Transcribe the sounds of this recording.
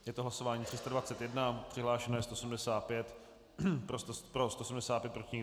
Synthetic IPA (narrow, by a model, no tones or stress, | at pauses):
jɛt̪oɦlasovaːɲiːt̪rɪst̪advatt͡sɛt̪jɛdnapr̥ɪɦlaːʃɛnojɛst̪osm̩dɛsaːt̪̚pjɛt̪ | pɾost̪opɾost̪osm̩dɛsaːt̪pjɛt̪̚pɾocʲɪɲ